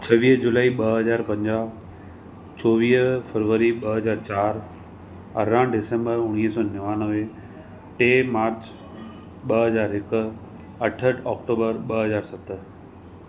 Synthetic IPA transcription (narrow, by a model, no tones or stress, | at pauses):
t͡ɕʰɐʋiːɦd͡ʑʊlaːiɓɐɦɦɐzaːɾpɐ̃ɲd͡ʑaː | t͡ɕɔːʋiːɦfəɾʋəɾiɓɐɦɐzaːɾt͡ɕaːɾ | ɐ̰ɾãːɖɪsẽmbəɾʊɽ̃iːɦsɔːnɐʋãːnəʋe | ʈeːmaːɾt͡ɕ | ɓɐɦɐzaːɾɦɪkʊ̆ | ɐʈʰəʈɔːk̚ʈoːbəɾɓɐɦɐzaːɾsɐt̪ə̆